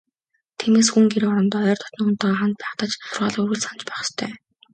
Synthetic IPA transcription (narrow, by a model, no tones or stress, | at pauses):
t̪ʰiːmeːs̬xuŋɡeɾɔɾɞ̆nt̪ːœːrt̪ʰɔ̥t̪n̆xun̥t̪aːʁɔχant̪̚pæːχt̪ə̆t͡ɕʰʊ̆rʁaːɮuɣɘ̆ɮsant͡ɕpæːχə̥̆st̪ʰœ̰ː